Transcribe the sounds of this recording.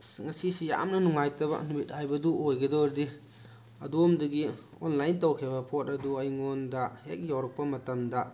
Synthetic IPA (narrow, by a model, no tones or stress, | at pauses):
ŋɐsisija̰mnɐnuŋajtɐbɐ̰nmit̚hajbɐduʔojɡɐdɔɾdi | ɐdumdɐɡi | ɔnlajntɐwkʰibɐpʰot̚ɐduɐjŋɔndɐhek̚jawɾɐk̚pɐmɐtɐmdɐ